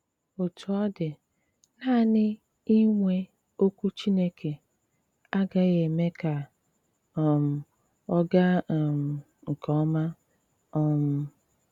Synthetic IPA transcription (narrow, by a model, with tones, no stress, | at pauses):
o˨tʊ˨ɔ˦dɪ˨ | na˦˨nɪ˦ | i˦ŋʷe˦ | o˦kʷu˦t͡ʃi˦ne˦kʰe˨ | a˦ɡa˦ɣe˨me˦ka˨ | ɔ˨m̩˨ | ɔ˦ɡa˦˨m̩˨ | ŋ̩˨kɔ˦ɔ˦ma˦ | ɔ˨m̩˨